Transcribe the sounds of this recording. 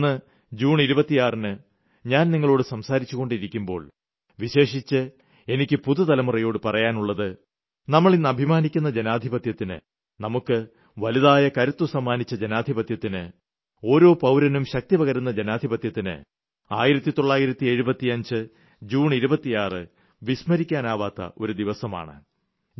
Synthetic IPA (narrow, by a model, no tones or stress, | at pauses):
ɨ | d͡ʑuːɳiɾubɐt̪ːijaːrinɨ | ɲaːnniŋːɐɭo̞ːɽɨsɐmsaːɾit͡ɕːuɣo̞ɳɖiɾikʲːumbo̞̰ːɭ | ʋiɕe̞ːʂit͡ɕːɨ | e̞nikʲːɨpuðut̪ɐlɐmurɐjo̞ːɽɨpɐrɐjaːnuɭːɐðɨ | nɐmːɐɭinːɨɐbʱimaːnikʲːunːɐd͡ʑenaːd̪ʱibɐt̪jɐt̪ːinɨ̰ | nɐmukːɨ | ʋɐliðaːjɐkɐɾut̪ːwɐsɐmːaːnit͡ɕːɐd͡ʑenaːd̪ʱibɐt̪jɐt̪ːinɨ̰ | o̞ːɾo̞ːpɐwɾɐnumɕɐk̚t̪ipɐɣɐɾunːɐd͡ʑenaːd̪ʱibɐt̪jɐt̪ːinɨ̰ | a̰ːjiɾɐt̪ːit̪o̞ɭːaːjiɾɐt̪ːie̞ɻubɐt̪ːiɐɲd͡ʑɨ | d͡ʑuːɳiɾubɐt̪ːijaːrɨ | ʋismɐɾikʲːaːnaːʋaːt̪ːɐ̰ʔo̞̰ɾud̪iʋɐsɐma̰ːɳɨ̰